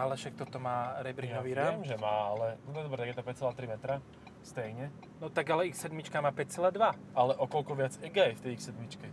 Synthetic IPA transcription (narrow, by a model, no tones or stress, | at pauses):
alɛfʃak̚t̪ɔt̪ɔmaːɾɛbɾinɔʋiɾaʒɛmaːalɛnɔt̪ɔɛd̪ɔbɾɛt̪aɡjɛt̪apɛct͡sɛlaːt̪ɾimɛt̪ɾa | st̪ɛjɲɛ | nɔt̪aɡalɛixsɛd̪mit͡ʃkamaːpɛct͡sɛlaːd̪ʋa | alɛʔɔkɔlkɔʋɪad͡zɛɡajft̪ɛjixsɛd̪mit͡ʃkɛ